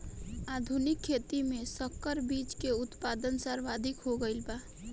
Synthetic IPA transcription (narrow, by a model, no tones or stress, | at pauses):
aːd̪ʱunɪkʰːeːt̪imẽsəkːəɾbiːt͡ʃkeʊt̪paːd̪ənsəɾʋaːd̪ʱɪkɦoɡəɪlbaː